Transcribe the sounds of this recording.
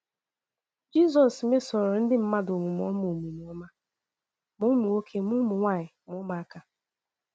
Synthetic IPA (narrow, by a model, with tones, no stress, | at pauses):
d͡ʒi˦sɔ˨sme˦sɔ˨ɾɔ˨n̩˦dɪ˦m̩˦ma˦do˨ŋʷu˨m˨ɔ̰˦m˦o˨mu˨mu˨ɔ˦ma˦ | mʊ˦mʊ˨o˦kʰe˦mʊ˦mʊ˨ŋʷa˦˨ɲɪ˨mʊ˦ma˨a˦ka˨